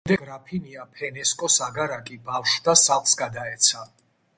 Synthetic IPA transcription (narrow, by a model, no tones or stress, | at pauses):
d̪ɛɡɾapʰiniapʰɛnɛskʼɔsaɡaɾakʼibafʃd̪asaχsɡad̪aɛt̪sʰa